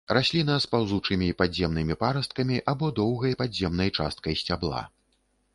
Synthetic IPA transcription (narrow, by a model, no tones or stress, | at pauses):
rasʲlʲin̪aspawzut͡ʂɨmʲipad͡zʲzʲɛmnɨmʲipaɾɐst̪̚kɐmʲiʔabɔd̪ɔwɣɐjpadzʲɛmnɐjt͡ʂa̰st̪̚kɐjsʲt͡sʲablˠa̰